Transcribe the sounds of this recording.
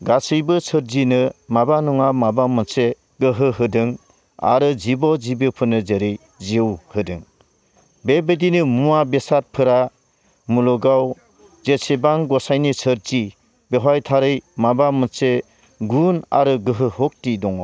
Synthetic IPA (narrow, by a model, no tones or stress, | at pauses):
ɡasɯjbɯsʰɯɾzinɯmabanuŋamabamɯnse | ɡɯɦɯɦɯdɯŋ | a̰ɾɯzibɔd͡ʒibɯpʰɯnɯzeɾɯj | zewhɯdɯŋ | bebedinɯmuabesat̚pʰɯɾa | mulɔɡaw | zesebaŋɡɔsajnisʰəɾzi | beɦajtʰaɾɯjmabamɯse | ɡuna̰ɾɯɡɯɦɯhɔk̚tidɔŋɔ